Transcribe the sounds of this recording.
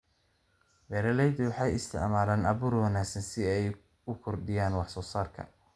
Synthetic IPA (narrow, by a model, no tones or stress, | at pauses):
bɛːɾɐlɛjd̪ɪwɑħɑjɪst̪ʰɪ̰ʕmaːlaːnʔɐβuːrwɑnaːɡsɐnsɪɛj | ʊkʰɔrd̪ɪjaːnwɑħsɔːsaːrkʰɐ̰